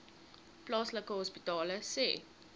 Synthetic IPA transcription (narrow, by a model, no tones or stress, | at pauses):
plɑːsləkəɦɔspitɑːləsḛː